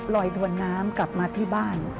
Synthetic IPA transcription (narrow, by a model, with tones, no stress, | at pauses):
lɔː˧jt̪ʰu˧ənːaː˦˥mkla˨˩p̚maː˧t̪ʰiː˥˩baː˥˩n